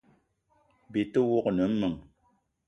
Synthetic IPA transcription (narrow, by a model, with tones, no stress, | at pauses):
bi˨tə˦wo˦knə˨m̩˦mɨ˨ŋ